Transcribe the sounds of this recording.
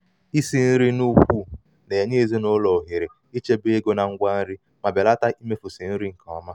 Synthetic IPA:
i˦si˨n̩˦ɾi˦nu˦kʷu˦˨ | ne˨ɲe˦˨ze˦no˦lɔ˨ɦɪ˨ɾɪ˨ | i˦t͡ʃe˦be˦ɡo˦na˨ŋ̩˦ɡʷa˦n̩˦ɾi˦ | ma˨be˨la˦ta˦ʔi˦me˦fu˨si˨n̩˦ɾi˦ŋ̩˨kɔ˨ɔ˨ma˦

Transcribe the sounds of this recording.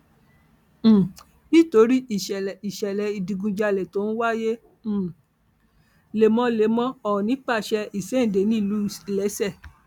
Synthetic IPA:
bi˦˨to˨˦ɾi˦i˨ʃɛ˨i˨ʃɛ˨lɛ˨i˨dĩ˧ɡũ˧d͡ʒa˧lɛ˨to˨˦n̩˦wa˦jẽ˦˨ | le˨mɔ̃˧le˨˦mɔ̃˦ɔ˨ɔ̃˨nĩ˨˦k͡pa˦˨ʃɛ˧i˦˨sɛ˦˨de˨˦nĩ˦˨lu˨˦˨si˨lɛ˨˦sɛ˦˨

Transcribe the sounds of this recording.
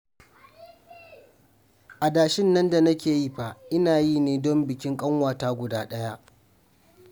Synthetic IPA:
ʔa˨daː˨ʃɪ˦nːɐ˦nda˨nɐ˦kʲeː˨ji˦ɸa˨ʔɪ˦naː˨jiː˦neː˨dɔ˦mbɪ˨kʲɪ˦ŋkʼɐ˦ŋwaː˨taː˦ɡʷʊ˨daː˦ɗɐ˦ja˦ʔ

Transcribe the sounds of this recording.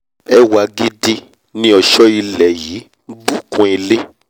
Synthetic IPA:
ɛ˦wa˧ɡi˦di˦ | nĩ˦ɔ˧ʃɔ˦i˧lɛ˨ji˨˦ | ɡ͡bu˦˨kũ˦i˧le˦

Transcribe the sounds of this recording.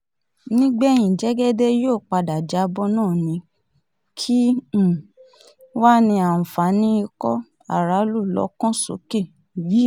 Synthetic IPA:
nĩ˦ɡ͡bɛ˦˨j̃ĩ˨d͡ʒɛ˨˦ɡɛ˦de˦joː˦˨k͡pa˧da˨d͡ʒa˧bɔ˧˦nãː˦˨nĩ˧˦ | kʰĩ˦˨ | wa˦nĩ˧ã˨fa˨˦nĩ˦i˧kɔ˦ | a̰˦˨ɾa˨˦lu˦˨lɔ̰˨˦kɔ̃˦so̰˨˦ke˦˨ | ji˨˦

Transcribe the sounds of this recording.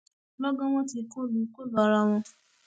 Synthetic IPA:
lɔ˦ɡɔ̃˦w̃ɔ̃˦ti˧˨ko˦˨lu˨˦ko˦˨lɔ˨˦ɾa˧w̃ɔ̃˧

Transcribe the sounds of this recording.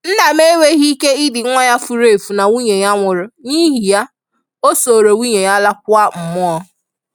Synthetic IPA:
n̩˦na˨me˦we˦ɦi˦ke˦ɪ˦dɪ˨˦ŋʷa˦ja˦fu˨ɾe˨fu˨na˨wu˦ɲe˨ɲa˦ŋʷʊ˨ɾʊ˨ɲi˦ɦi˨ja˦ | o˦so˨ɾo˨wu˦ɲe˨ɲa˦la˦kʷʊ˦a˦m̩˨mʊ˦ɔ˦

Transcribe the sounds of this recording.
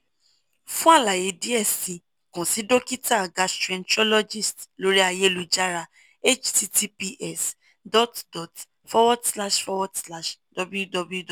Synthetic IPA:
fũ˦a˦˨la˨je˨˦di˦ɛ˦˨si˨ | kɔ̃˨si˨˦do˦ki˦ta˦˨ɡa˨˦stɾɛ̃˧nt͡ʃɔ˦lɔ˦d͡ʒi˦˨stlo˦ɾi˦a˧je˦lu˧d͡ʒa˦ɾa˧ | e˦t͡ʃti˦ti˦pi˧ʔɛ˦˨s | dɔ˦tdɔ˨t | fɔ˦wɔ˦dsla˦ʃfɔ˧wɔ˦dsla˦ʃdɔ˧bu˦ju˦dɔ˧bu˦ju˦dɔ˨

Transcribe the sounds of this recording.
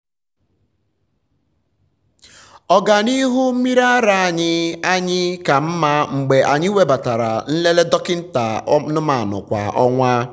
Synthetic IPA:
ɔ˨ɡa˨ni˦ɦu˦mi˦ɾa˦ɾa˨a˨ɲɪ˦a˦ɲɪ˦ka˨m̩˦ma˦ŋ͡m̩˨ɡ͡be˨ʔa˨ɲɪ˦we˦ba˨ta˨ɾa̰˨n̩˦le˦le˦dɔ˦kɪ˦n̩˦ta˨˦nʊ˦ma˨nʊ̰˨kʷa̰˨ʔɔ˦ŋʷa˦

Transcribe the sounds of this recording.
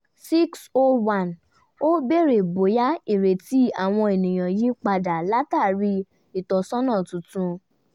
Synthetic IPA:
si˦kso˦wã˦˨n | o˦be˦˨ɾe˨bo˨˦ja˦i˦˨ɾe˨ti˨˦a˨w̃ɔ̃˧e˨nĩ˨j̃ã˨ji˦k͡pa˧da˨la˦ta˦˨ɾi˧˦ | i˨tɔ˨sɔ̃˦nã˦˨tũ˨˦tũ˧

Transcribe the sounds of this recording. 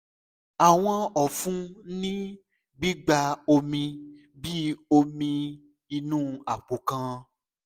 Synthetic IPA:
a˨w̃ɔ̃˧ɔ˨fũ˦nĩ˦ | ɡ͡bi˦ɡ͡ba˧o˧mĩ˧ | bi˦o˧mĩ˧ | i˧nũː˦a˨k͡po˨kã˧

